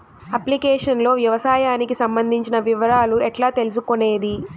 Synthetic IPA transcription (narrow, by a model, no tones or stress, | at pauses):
ɐplikeːʂɐnlo̞ːʋjɐʋɐsaːjaːnikisɐmbɐnd̪ʱiɲt͡ʃinɐʋiʋɐɾaːluɛʈlaːt̪e̞lus̬ukone̞ːd̪i